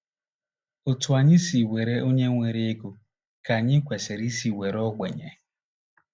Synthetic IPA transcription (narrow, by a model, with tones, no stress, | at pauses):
o˨tu˨a˨ɲɪ˦si˨we˨ɾe˦ʔo˦ɲe˦ŋʷe˨ɾe˦e˦ɡu˨ | ka˨ɲɪ˦kʷe˨se˨ɾi˦si˨we˨ɾɔ˦ɡ͡bḛ˨ɲḛ˨